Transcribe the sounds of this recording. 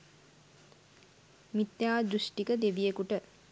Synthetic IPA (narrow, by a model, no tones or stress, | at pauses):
mit̪jaːd̪ɾuʃʈikəd̪eʋijekuʈə